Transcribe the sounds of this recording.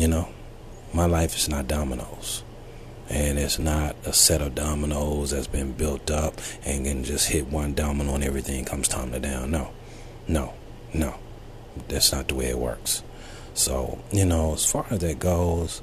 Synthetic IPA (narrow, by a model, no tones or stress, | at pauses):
jɨnoʊ | maɪlaɪfɨz̥nət̚d̥ɑməno̰ʊz̥ | ʔɨ̃nɪtsnəɾəsɛɾʌvdɑmənoʊzðɨtsb̥ɨ̃nbɪlˠtʌpɨ̃nkɨ̃nd͡ʒʌst̚hɪt̚wʌ̃ndɑmənoə̃nɛvɹiθɪ̃ŋŋkʰʌ̃mz̥tʰãɪ̃mnɨdãʊ̃nːoʊ | noʊ | noʊ | ðætsnət̪̚ðəweɪɨ̰t̚wɜ̰˞ks | so̰ʊjɨnoʊəz̥fɑɹɨzðɨt̚ɡ̥oʊz̥